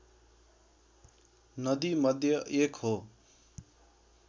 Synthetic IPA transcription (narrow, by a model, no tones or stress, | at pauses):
nʌd̪imʌd̪ʱjʌʔekɦo